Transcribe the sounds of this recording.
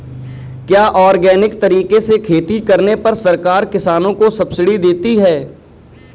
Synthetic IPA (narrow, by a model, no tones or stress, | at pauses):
kjaːʔɔːɾɡɛːnɪkt̪ɐɾiːkesekʰeːt̪ikɐɾnepɐɾsɐɾkaːɾkɪsaːnõkosɐbsɪɽid̪eːt̪iɦɛː